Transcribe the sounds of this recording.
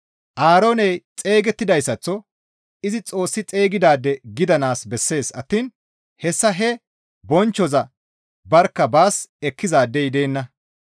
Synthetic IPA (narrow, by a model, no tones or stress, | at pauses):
ʔaːɾo̞ːnɛjt͡sʼe̞ːɡɛt̪ːɪd̪ɐjsːɐt͡sːɔ | ɪzɪt͡sʼo̞ːsːɪt͡sʼe̞ːɡɪd̪aːd̪ːɛɡɪd̪ɐnaːsbɛsːe̞ːsɐt̪ːiːn | hɛsːɐɦɛ | bɔnt͡ʃːɔzɐ | bɐɾkːɐbaːsɛkːɪzaːd̪ːɛjd̪e̞ːnːɐ